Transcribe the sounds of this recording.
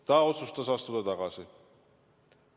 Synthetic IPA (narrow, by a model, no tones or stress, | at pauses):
t̪aːot͡sʰust̪asɑst̪ud̪ɑt̪ɑɣɑsɪ